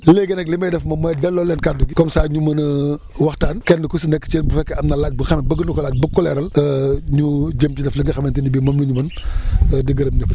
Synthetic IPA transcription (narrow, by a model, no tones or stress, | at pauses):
leːɡɛnɛklimɐjdɛfmɐmɐjdɛlːɔlːɛnkaduɡikɔmsaːɲumɐnə | wɐxtaːnkɛnːdəkusinɛkːə̥t͡ʃɛːnbufɛkːɛɐmnɐlaːt̚buxɐmɛbəɡənukɔlaːc̚bɐkɔlɛɾɐləɲuɟəmcidɛfliŋɡɐxɐmɐntinibimɐmluɲumɐnədəɡɐɾɐm̚ɲɔp